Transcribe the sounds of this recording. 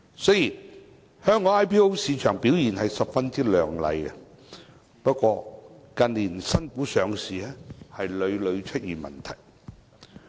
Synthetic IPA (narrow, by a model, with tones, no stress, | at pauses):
sɵ˥jiː˨˩n | hœː˥ŋɔː˨˧˥aː˥jpʰiː˥o˥wsiː˨˧t͡ʃʰœ̰ː˨˩ŋpi˨˥wjiː˨˩nhɐ˨jsɐ˨p̚fɐ˥nt͡si˥lœː˨ŋlɐ̰˨˧jkɛ˧ | pɐ˥t̚kʷɔː˧kɐ˨˧nliː˨˩nsɐ˥nkuː˨˥sœː˨˧ŋsiː˨˩ɛː˥hɐ˨jlɵ˨˧ɥlɵ˨˧ɥt͡ʃʰɵ˥t̚jyː˨˩mɐ̰˨˩nt̪ʰɐ˨˩j